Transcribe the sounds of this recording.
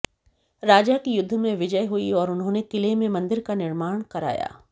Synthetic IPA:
ɾaːd͡ʒakijʊd̪ʱːəmẽʋɪd͡ʒəjɦuiɔːɾʊnɦõːnekɪlemẽmɐ̃nd̪ɪɾkanɪɾmaːɽ̃kɐɾa̰ːja̰ː

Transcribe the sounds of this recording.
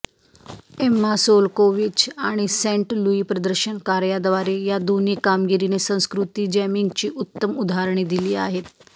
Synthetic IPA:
emːasolkoʋit͡ɕaɽ̃isɛ̃ɳʈluiːpɾəd̪əɾɕənkaɾjad̪ʋaɾejad̪onikamɡiɾinesə̃w̃skɾut̪iːd͡ʑɛmiŋɡt͡ɕiːʔut̪ːəmud̪ʱaɾɳ̃id̪iliːa̰ɦet̪

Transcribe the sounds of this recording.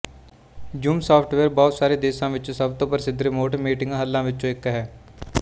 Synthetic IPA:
d͡ʒuːmsaːpʰʈʰʋeːɾbɔːt̪saːɾeːd̪eːsãːʋɪt͡ʃːsəbt̪õːpəɾsɪd̪ɾemoːʈəmiːʈɪŋɡaɦəlːãːʋɪt͡ʃt͡ʃõːɪkːɦɛː

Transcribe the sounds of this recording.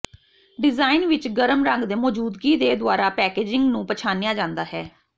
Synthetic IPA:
ɖɪzaːinʋɪt͡ʃɡəɾəmɾəŋɡd̪eːmɔːd͡ʒuːd̪ɡiːd̪eːd̪ʊaːɾaːpɛːkeːd͡ʒɪŋɡnũːpət͡ʃʰaːnijaːd͡ʒãːnd̪aːɦɛː

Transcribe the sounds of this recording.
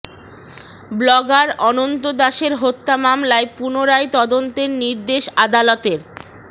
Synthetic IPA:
blɔɡaɾɔnont̪od̪aʃeɾɦot̪ːamamlaepunoɾajt̪ɔd̪ont̪eɾniɾd̪eʃad̪alot̪eɾ

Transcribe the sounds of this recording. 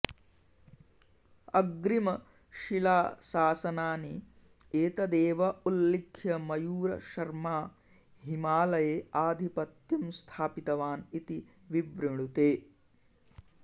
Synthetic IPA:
ɐɡɾimɐ | ʃilaːsaːsɐnaːni | eːt̪ɐd̪eːʋɐulːikʰjɐmɐjuːɾɐ̰ʃɐɾmaː | ɦimaːlɐjeːaːd̪ʱipɐt̪jumst̪ʰaːpit̪ɐʋaːnit̪i | ʋiʋɾiɳut̪eː

